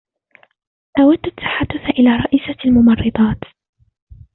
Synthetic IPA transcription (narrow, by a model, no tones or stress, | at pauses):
ʔawad̪ːat̪ːḁħad̪ːʊθaʔɪlaːɾˤɑʔisalmʊmɑrˤːɨd̪ˤɑːt̪